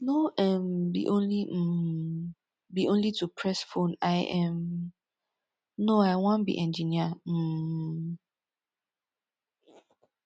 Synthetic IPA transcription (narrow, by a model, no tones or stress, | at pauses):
noʔɛ̃mbḭʔõnli | biʔõnlitʰupʰɹɛsfõnaɪʔɛm | noaɪwɔ̃nbḭʔɛ̃nd͡ʒinia